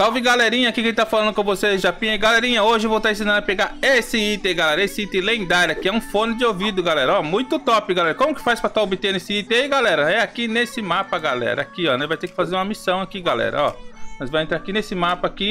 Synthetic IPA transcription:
t̪awviɡalɛɾĩɲɐakikẽt͡ʃɪt̪afalɐ̃nd̪ʊkõvoseʒapĩɐiɡalɛɾĩɲɐoʒɪvowt̪aẽsĩnɐ̃nɐpeɡaɾesɪit̪ẽɡalɛɾɐesɪit̪ẽlẽd̪aɾɐkɪɛũfõnɪd͡ʒɪovid̪ʊɡalɛɾɐɔmũj̃t̪ʊt̪ɔpɪɡalɛɾɐkõmʊkɪ̥fajspɾɐt̪aobɪt̪ẽnʊesɪit̪ẽiɡalɛɾɐɛakinesɪmapɐɡalɛ̰ɾɐakiɔnɛvajt̪ekɪ̥fazeɾũmɐmisɐ̃w̃akiɡalɛ̰ɾɐ̰ɔ̰mɐzvajẽt̪ɾaakinesɪmapɐaki

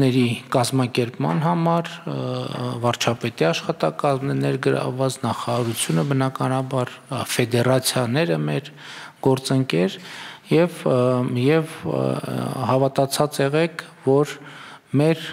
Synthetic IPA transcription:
nɛɾikɑzmɑkɛɾpmɑ̰nɦɑmɑɾ | vɑɾt͡ʃʰɑpɛt̪iɑʃχɑt̪ɑkɑzmnɛnɛɾɡəɾɑ̰vːɑt͡snɑχɑɑɾut͡sʰjunəbənɑkɑnɑbɑɾfɛd̪ɛrɑt͡sʰjɑnɛɾəmɛɾ | ɡ̥ɔɾt͡səŋkɛɾjɛvjɛv | hɑvɑt̪ɑt͡sʰɑt͡sɛʁɛkʰvɔɾ | mɛɾ

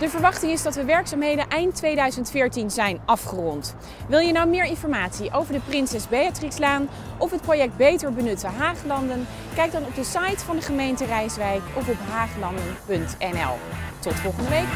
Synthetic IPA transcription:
d̥əvəɹʋɑχtɪŋɪzdɑtʋəʋɛɹksaːmɦejdənʔɛjntʋejdœɥzəntfɪːɹtinzɛjnɑfχərɔnt | ʋɪlˠjənɑwmɪːɹɪnfɔɹmaːtsiʔowvəɹdəprɪnsɛzbejatrikslaːn | ʔɔfɦət̚projɛk̚d̚bejtəɹbənɵtəɦaːχlɑndən | kɛjɡ̚dɑnɔb̚dəsɑjtfɑndəχəmejntərɛjsʋɛjkɔfɔpɦaːχlɑndənpɵntɛnɛ̰lˠtɔtfɔlˠχəndəʋejk

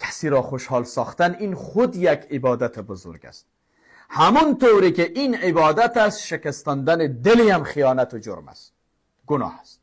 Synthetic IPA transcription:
kʰæ̥siːɾɒːχoʃhɒːlsɒːχt̪æninχod̪jækʰebɒːd̪æt̪ʰebozo̰ɾɡæ̰st̪̚ | hæmɔnt̪owɾikeʔinebɒːd̪æt̪æst̪ʃekæst̪ɔnd̪æned̪elihæmχijɒːnæt̪od͡ʒo̰ɾmæ̰st̪ | ɡʊnɒ̰ːhæst̪

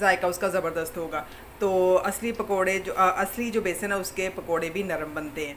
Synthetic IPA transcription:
zaːɪkaʊskazɐbəɾd̪əst̪ɦoːɡaː | t̪oːɐslipɐkoːɽẽoʔɐslid͡ʒoːbeːsɦɛnaʊskepɐkoːɽẽbʱinɐɾəmbɐnt̪eɦɛ̃ː

